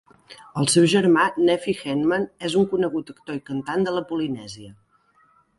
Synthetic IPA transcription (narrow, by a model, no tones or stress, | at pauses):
əlˠsɛwʒəɾmanɛfixɛnmənezuŋkunəɣut̪əkt̪oikənt̪and̪ələpulinɛziə